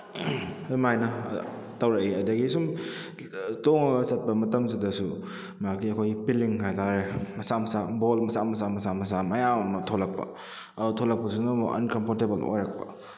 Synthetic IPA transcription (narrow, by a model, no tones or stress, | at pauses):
majnɐtɐwɾɐiɐdɐɡisum | toŋɐɡɐsɐt̚pɐmɐtɐmzidɐsu | makiɐkʰojpiliŋɦajtaɾemɐsamɐsabolmɐsamɐs̬amɐsamɐsamɐjaɔnɔtʰolɐk̚pɐ̰ | ɐdutʰolɐk̚pɐsunɔɐ̰nkɐmpʰoɾtebɐlo̰jɾak̚pɐ̰